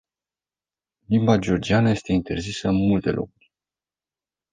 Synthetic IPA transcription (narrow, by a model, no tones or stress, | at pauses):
limbad͡ʒeo̞rd͡ʒianəje̞st̪e̞int̪e̞̰rzisəɨnmult̪e̞̰lʔo̞̰kurʲ